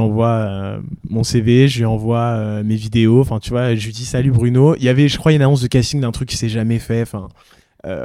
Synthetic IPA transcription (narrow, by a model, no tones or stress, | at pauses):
ɑ̃vwaømɔ̃seveʒəlɥiɑ̃vwaømevid̪eoɑ̃fɛ̃t̪yvwaʒəid̪isalybʁynoiljavɛʒəkχwaynanɔ̃s̬d̪əkʲasiŋd̪ɛ̃t̪χykʲːi̥sɛʒamɛfɛɑ̃fɛ̃ | ø̰